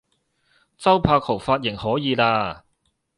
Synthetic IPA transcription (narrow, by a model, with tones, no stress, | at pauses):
t͡sɐ˥wpʰaː˧k̚ʰo˨˩wfaː˧t̚jɪ˨˩ŋhɔː˨˥jiː˨˧laː˧